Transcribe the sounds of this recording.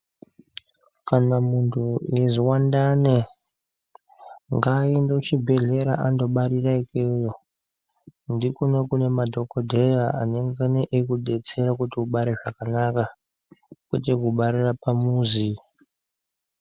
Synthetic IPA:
kanamuntʰueziwandane | ŋɡaindout͡ʃibʱe̞ɮe̞ɾaʔando̞ɓaɾiraikʰejo̞ | ndikunekune̞madʱo̞kodʱejaa̰neŋɡaneʔːkuɗe̞t͡se̞ɾakutiuɓaɾeʐakanaka | kwḛtekuɓaɾirapamuːzi

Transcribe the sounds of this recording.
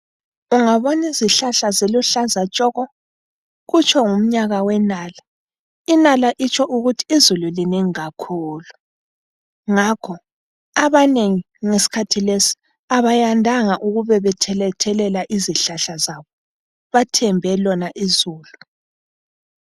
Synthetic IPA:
uŋaβɔniziɬaɬazeluɬazat͡ʃʼɔɣɔ | ɣut͡ʃʰʼɔŋum̩ɲaɣawɛnaːla | inalaʔit͡ʃʼɔʔuɣutʰi̥izululineŋiɣakʰuːlu | ŋakʰɔ | aβaneŋi | ŋesi̥kʰatʰilesi̥ | aβajandʱaŋaʔuɣuβɛβɛtʰɛlɛtʰɛlɛlaʔiziɬaɬazaβɔ | βatʰɛmbʱɛlɔnaʔizuːlu

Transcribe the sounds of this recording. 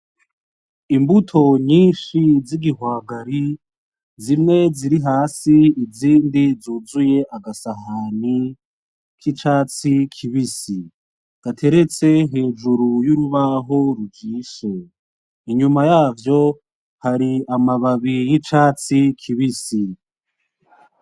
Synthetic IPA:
imbutʰo̞ɲiːnʃiziɡihwaːɡaɾi | zimŋe̞ziɾiɦaːsiiziːndizuːzuje̞ʔaɡasahani | kʰit͡ʃaːt͡sikʰiβisi | ɡ̥atʰe̞ɾe̞t͡se̞ɦe̞ːʒuɾujuɾuβaɦo̞ɾuɡiːʃo | iɲumajaːvjo̞ | haɾiamaβaβijit͡ʃaːt͡sikʰiβisi

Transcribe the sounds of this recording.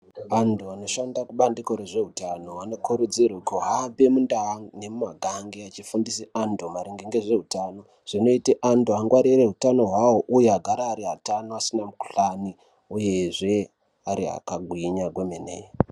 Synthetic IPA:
ʋantʰuʋano̞ʃandakuɓandiko̞ɾeʐe̞ɦutanoʋano̞kuɾud͡zirukoɦabemundane̞mumaɡʱaŋɡeat͡ʃifundiseandomaɾiŋɡeŋɡe̞ʐe̞ɦutano | ʐ̥ino̞iteʔantuaŋɡwaɾire̞ɦutano̞ɦwawo̞ʔujeaɡʱaɾaːɾiɦatanoasinamuku̥ɬani | uje̞ʐe̞ | aɾia̰kaɡʱwiɲaɡʱwemenḛːe

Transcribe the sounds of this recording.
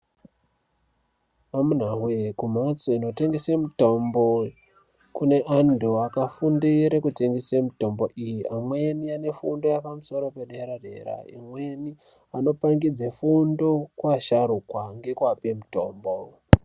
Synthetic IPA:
amun̤aɦwekum̤at͡soino̞te̞ŋɡesemuto̞mbo | kune̞ʔandʰuakafundiɾekute̞ŋɡesemuto̞mbo̞ʔijiʔamweniane̞fundo̞japamuso̞ɾo̞pe̞ɗeɾare̞̰ra̰ḭmwe̞ni | ano̞paŋɡid͡zefundo̞kwaʃaɾukwaŋɡe̞kwapemuto̞ːmbo

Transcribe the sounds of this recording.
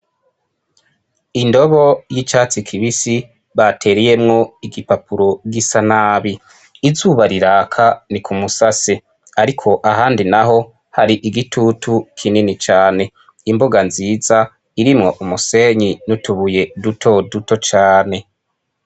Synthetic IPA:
indo̞βo̞jit͡ʃaːt͡sikʰiβisi | βatʰe̞ːɾeje̞mŋo̞iɡipapuɾo̞ɡisanaːβiː | zuβaɾiɾaːkʰanikʰumusase | aɾikʰo̞ʔaɦaːndinaɦo̞ | haɾiʔiɡitʰutʰukʰininit͡ʃaːne̞ | imboɡanziːza | iɾimŋo̞ʔumuse̞ɲinutuβuje̞dutʰo̞duto̞t͡ʃaːne̞

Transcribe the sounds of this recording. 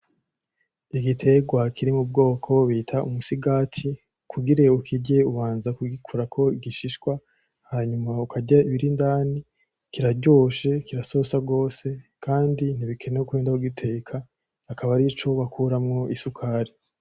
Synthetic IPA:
iɡitʰe̞ɡwakʰiɾimub̚ɡo̞ːkʰo̞βitʰaumusiɡaːtʰi | kʰuɡiɾeukʰiɟe̞uβaːnzakuɡikʰuɾakʰo̞iɡiʃiʃkwa | haɲumaukʰaɟaiβiɾindaːni | kiɾaɟo̞ʃe̞kiɾaso̞saɡo̞ːse̞kʰaːndin̥iβikʰe̞neukweːndauɡitʰe̞ːkʰaː | kaβaɾit͡ʃo̞βakʰuɾamŋo̞ʔisukʰaːɾi

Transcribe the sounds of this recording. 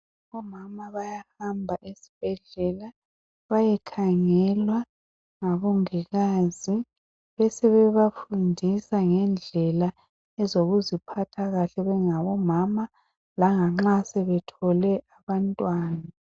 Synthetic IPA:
βɔmamaβajahambʱaʔesi̥b̥ʱɛɮɛla | βajɛkʰaŋɛlwa | ŋaβuŋiɣazi | βɛsɛβɛβafundʱisaŋɛnd͡ɮʱɛla | ɛzoɣuzipʰatʰaɣaɬɛβɛŋaβɔmama | laŋaŋ͡ǁasɛβɛtʰɔlɛʔaβantʼwaːnna

